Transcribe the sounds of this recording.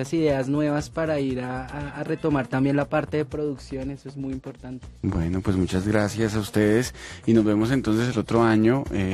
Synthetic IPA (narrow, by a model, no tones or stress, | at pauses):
asiðe̞aznwe̞βaspaɾaiɾaːre̞t̪o̞maɾt̪ambje̞nlapaɾt̪eðepɾo̞ðuksjo̞ne̞soezmujimpo̞ɾt̪ant̪ebwe̞no̞pwe̞zmut͡ʃazɡɾasjasaust̪e̞ðe̞sino̞zβe̞mo̞s̬e̞nt̪o̞ns̬e̞s̬elo̞t̪ɾo̞aɲoe